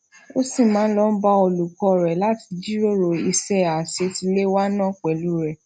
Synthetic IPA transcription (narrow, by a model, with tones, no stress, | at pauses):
o˦si˦˨mãː˨˦lɔ˦n̩˦ba˦o˧lu˨kɔ˧ɾɛ˨la˦ti̥˧d͡ʒi˦ɾo˦ɾo˧˨i˧sɛ˦a˨se˧˦ti˧le˦wa˦nã˦˨k͡pɛ˨lu˨˦ɾɛ˨